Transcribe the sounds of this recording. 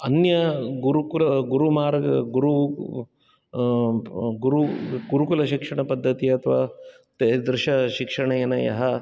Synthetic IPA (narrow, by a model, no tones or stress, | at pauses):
ɐnjɐɡuɾukulɐɡuɾumaːɾɐɡuɾu | ɡuɾuɡuɾukulɐʃikʂɐɳɐpɐd̪ʱːɐt̪iɐt̪ʰɐʋaː | t̪ɐd̪ɾɪʃɐʃikʂɐɳɐjɐnɐjɐ̰ɦɐ